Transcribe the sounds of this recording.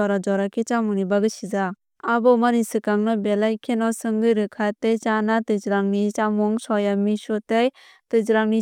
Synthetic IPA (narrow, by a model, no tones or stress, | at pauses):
ɔɾad͡ʒɔɾakʰit͡ʃamunibaɡɯsizaː | bɔmanisɯkaŋnɔbelajkʰenɔsɯŋɡɯɾɯkʰatejt͡ʃanatɯzɾaŋnit͡ʃamuŋsɔjamisɔtej | tɯzɾaŋni